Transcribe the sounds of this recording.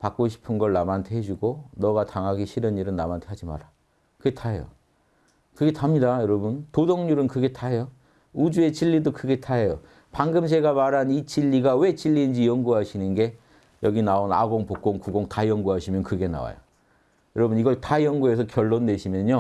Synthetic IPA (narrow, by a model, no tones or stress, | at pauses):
pak͈oɕʰi̥pʰɯnɡʌɭnamantʰe̞ɦed͡ʑuɡonʌɡataŋɦaɡiɕʰiɾɯniɾɯnːamantʰe̞ɦad͡ʑima̰ɾa | kɯɡetʰaɦejo̰ | kɯɡe̞tʰamɲidajʌɾʌbuntodoŋɲuɾɯnkɯɡe̞tʰaɦejo | ud͡ʑue̞t͡ɕiʎːidokɯɡe̞tʰaɦejo | paŋɡɯms̬ʰe̞ɡamaɾanit͡ɕiʎːiɡawe̞t͡ɕiʎːind͡ʑijʌŋɡuɦaɕʰinɯnɡe̞ | jʌɡinaona̰ɡoŋpok̚k͈oŋkuɡoŋtajʌŋɡuɦaɕʰimjʌnkɯɡe̞na̰wa̰jo̰ | jʌɾʌbuniɡʌɭtajʌŋɡue̞s̬ʰʌkjʌɭːonːe̞ɕʰimjʌɲo